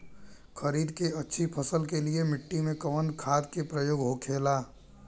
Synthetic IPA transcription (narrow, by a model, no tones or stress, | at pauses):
kʰəɾiːd̪keɐtːʃʰipʰəsəlkeliemɪʈːimẽkəʋənkʰaːd̪kepɾəjoːɡɦokʰeːlaː